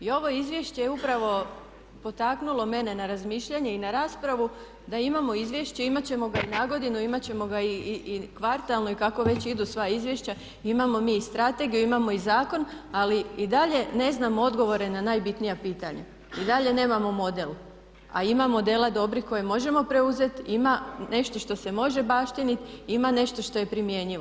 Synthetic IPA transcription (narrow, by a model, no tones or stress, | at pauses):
io̞ʋo̞izʋje̞ʃt͡ɕejeupɾaʋo̞ | po̞t̪aknulˠo̞me̞ne̞naɾazmiːʃʎaɲe̞inaɾaːspɾaʋu | d̪aimamo̞izʋje̞ʃt͡ɕeimat͡ɕe̞mo̞ɡainaːɡo̞d̪inuimat͡ɕe̞mo̞ɡaikʋaɾt̪alno̞ikako̞ʋe̞t͡ɕid̪usʋaizʋjeʃt͡ɕa | imamo̞miːist̪ɾat̪e̞ɡijuimamo̞izaːko̞naliid̪aʎe̞ne̞znamoo̞d̪ɡo̞ʋo̞ɾe̞nanajbit̪nijapiːt̪aɲa | id̪aʎe̞ne̞ːmamo̞mo̞d̪el | a̰imamod̪e̞lad̪o̞bɾiko̞jemo̞ʒe̞mo̞pɾe̞uze̞t̪imane̞ʃt̪o̞ʃt̪o̞se̞mo̞ʒe̞baːʃt̪init̪imane̞ʃt̪o̞ʃt̪o̞je̞pɾimje̞ːɲiʋo